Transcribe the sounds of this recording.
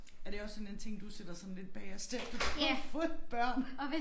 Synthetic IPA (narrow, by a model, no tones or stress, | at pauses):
æɐd̥e̝ɒ̽sːɒ̽nent͡sʰe̝ŋ̰d̥used̥ɐsɒ̽n̩le̝d̥̚b̥ɛːɐsd̥efd̥fɔ̥b̥ɶɐ̰nɒʋe